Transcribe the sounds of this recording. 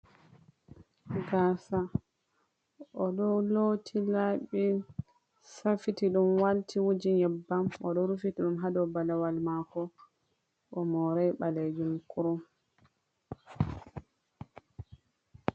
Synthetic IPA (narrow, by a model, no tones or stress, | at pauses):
ɡasa | ʔɔɗɔlotʰilaɓi | safitiɗumwaltʰiwud͡ʒiɲɛbːamɔ̰ɗɔɾufitiɗumɦadɔbalawalmakɔ | ʔɔmɔɾajɓaled͡ʒumkuɾɔm